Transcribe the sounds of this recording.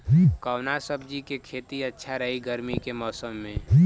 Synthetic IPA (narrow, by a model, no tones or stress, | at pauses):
kəʊnasəbʱd͡ʒikekʰeːt̪iətːʃʰaɾəɦiɡəɾmikemɔːsəmːẽ